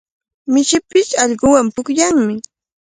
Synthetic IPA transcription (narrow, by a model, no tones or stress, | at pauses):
mɪʃɪpɪsɑʎɢʊwampʊkʎaŋmɪ